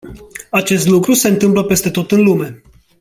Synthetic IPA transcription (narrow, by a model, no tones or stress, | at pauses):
at͡ʃe̞st̪lukɾuse̞ɨnt̪ɨmpləpe̞st̪e̞t̪o̞t̪ɨnlume̞